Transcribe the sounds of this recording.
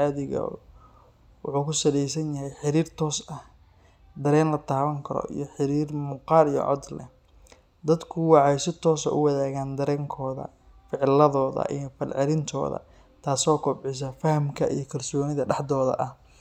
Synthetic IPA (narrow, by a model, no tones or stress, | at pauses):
aːðɪɣɔ̰ | wɑħuːkʰʊsɐðɛjsɐnjɐɦɛjħɪɾiːrt̪ʰɔːsɐh | d̪ɐɾɛːnlɐt̪ʰaːβɐŋkʰɐɾɔ̰ʔḭjɞħɪɾiːrmʊqɑːlijɔ̰ʕɔ̰d̪lɛ̰ | d̪ɐd̪kʰʊwɑʕɑjsɪt̪ʰɔːsɐ̰ʔʊwɐðaːɣaːnd̪ɐɾɛːŋkʰɔːðɐ̰ | fɪʕlɐðɔːðɐ̰ʔḭjɞfɐlʕɛlɪnt̪ʰɔ̰ːðɐ̰ | t̪ʰaːsɔːkʰɔbʕɪs̬ɐfɐhɐmkʰɐʔḭjɞkʰɐlsɔːnɪðɐɖɑħd̪ɔːðɐ̰ʔɐh